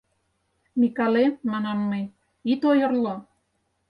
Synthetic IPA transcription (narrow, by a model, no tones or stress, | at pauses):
mikɑlemɑnɑnːɤj | it̪ojɤ̆rlo